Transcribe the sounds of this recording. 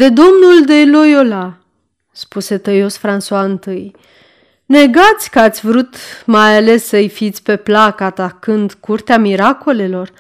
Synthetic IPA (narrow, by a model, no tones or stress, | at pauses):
d̪e̞d̪o̞mnuld̪ejlo̞jo̞la | spuse̞t̪əjo̞sfɾansuaɨnt̪ɨj | ne̞ɡat̪sʲkəat̪sʲvɾut̪majale̞sːəɨjfit̪sʲpe̞plakəat̪akɨnd̪kurt̪eamiɾako̞le̞lo̞r